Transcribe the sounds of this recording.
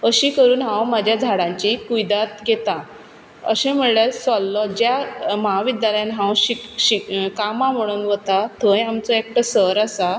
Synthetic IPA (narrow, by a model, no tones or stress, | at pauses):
əɕikəɾuːnɦãwmad͡ʑʱjad͡zʱaɽãɲt͡ɕikujd̪at̪̚ɡʱet̪ã | ə̰ɕẽm̤əɭɭasɔlːɔd͡ʑjamaɦaʋid̪jaləjanɦãwɕiɕikamam̤əɽ̃uːnʋət̪at̪ʰə̃jamt͡sɔek̚ʈəsəɾasa